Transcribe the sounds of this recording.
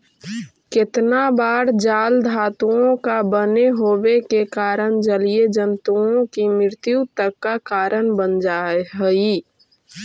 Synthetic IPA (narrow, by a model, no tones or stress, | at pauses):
kɪt̪nabaːɾd͡ʒaːld̪ʱaːt̪uõkabəneɦoːbekekaːɾənd͡ʒəlied͡ʒənt̪uõkimɾɪɾt̪jut̪əkːakaːɾənbənd͡ʒaːeɦɛi